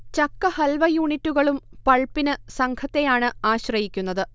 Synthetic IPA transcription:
t͡ɕɐkːɐhɐlʋɐjuːɳitːuɣɐɭumpɐɭpːinɨsɐŋɡʰɐt̪ːe̞jaːɳɨaːɕrɐjikʲːunːɐðɨ

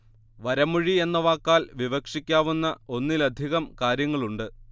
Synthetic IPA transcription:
ʋɐɾɐmuɻie̞nːɐʋaːkːaːlʋiʋɐkʂikʲːaːʋunːɐo̞nːilɐd̪ʱiɣɐmkaːɾjɐŋːɐɭuɳɖɨ

